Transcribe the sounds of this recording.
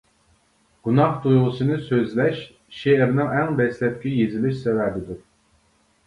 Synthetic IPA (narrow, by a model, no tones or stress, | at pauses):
ɡ̥unɑχt̪ujʁʊsɨnɨsøzlɛʃ | ʃeɾnɪŋɛŋd̪ɛslɛp̚ʲkʲijezɪlɪʃsɛvɛbɪd̪u